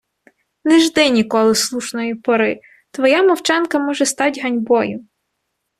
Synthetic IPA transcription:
nɪʒd̪ɪnʲikɔlˠɪslˠuʃnɔjipɔɾɪ | t̪ʋɔjamɔwt͡ʃɑnkɐmɔʒɛst̪ɑtʲɦɐnʲbɔjʊ

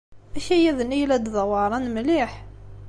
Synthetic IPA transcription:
ʔæʃæjæðnijlæd̪ðˤwɑɾˤɑnmliħ

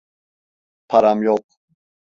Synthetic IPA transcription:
pʰaɾamjɔq

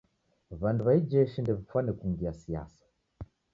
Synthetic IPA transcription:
βanduβaid͡ʒɛʃindɛβifwanekuŋɡiasija̰sḁ

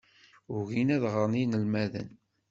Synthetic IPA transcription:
ʊʝinæðʁəɾˤninəlmæðə̰n

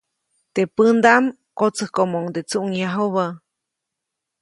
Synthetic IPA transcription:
t̪epɨnd̪am | kot͡səhkomoŋd̪et͡suʔŋjaɦoβa

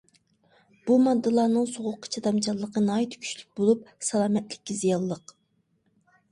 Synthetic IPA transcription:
b̥umɑd̪ːɨlˠɑːnɨŋsoʁʊqʰːə̥t͡ʃʰɑd̪ɑmt͡ʃʰɑlˠːəqənɑːit̪ʰkʲʰy̥t͡ʃlyk̚ʲbolˠup̚sɑlˠɑːmɛt̪lɪkʲːizijɑlˠːəq

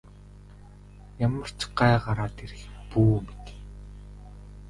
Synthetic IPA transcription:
jamə̆r̥t͡ɕɢaːɢaɾaːt̪eɾɘ̆xpuːmit̪e̥

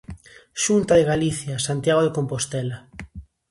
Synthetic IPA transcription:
ʃunt̪aðeɣaliθjasant̪jaɣ̞oðekompost̪ɛla

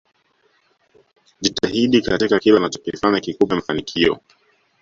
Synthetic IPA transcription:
ʄitahiɗikatikakilanat͡ʃɔ̥kɛfaɲakikupɛamafanikʰiɔ̰

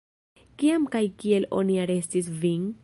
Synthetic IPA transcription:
kiamkajkie̞lo̞̰niaɾe̞stisviŋ

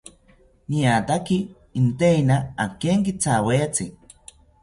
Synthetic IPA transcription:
niat̪akiː | nt̪einaakeŋkit͡sawet͡si

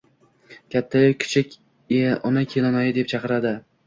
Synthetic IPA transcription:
kʲʰat̪ʰːajokʲʰɪ̥t͡ʃʰɪkʲ | eʔɒnakʲʰelɒnajɪd̪e̞p̚t͡ʃʰɑqɨɾad̪ɪ

